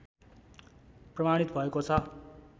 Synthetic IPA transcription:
prʌmaɽ̃it̪bʱʌekot͡sʰʌ

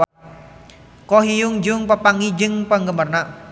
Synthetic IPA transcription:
kɔɦijʊŋd͡ʒʊŋpəpaŋid͡ʒɪŋpəŋɡəmərna

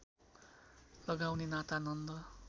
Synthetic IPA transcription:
lʌɡawnenat̪anʌnd̪ʌ

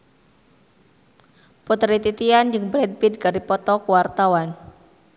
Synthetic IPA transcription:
pɔt̪ɾit̪it̪iand͡ʒɨŋbɾɛd̚pid̪kaɾipɔt̪ɔkuwart̪awan

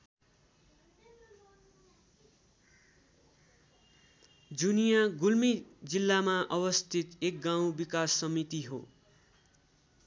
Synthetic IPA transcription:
d͡zunijaɡulmid͡zilːamaʔʌbʌst̪ʰit̪ek̚ɡaw̃bikasːʌmit̪iɦo̰

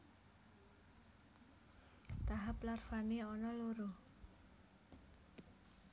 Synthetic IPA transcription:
t̪aɦaplarfaneɔnɔloɾo

